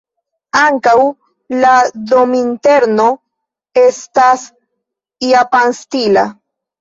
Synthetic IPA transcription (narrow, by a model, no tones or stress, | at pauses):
aŋkaw | lad̪o̞mint̪e̞ɾno̞ | e̞st̪as | iapanstila̰